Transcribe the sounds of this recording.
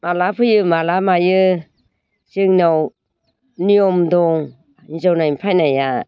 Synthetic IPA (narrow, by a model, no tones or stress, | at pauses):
malapʰɯjɯmalamajɯ | sɯŋnɔw | nijɔmdɔŋ | ɲizɔwnajmpʰajnaja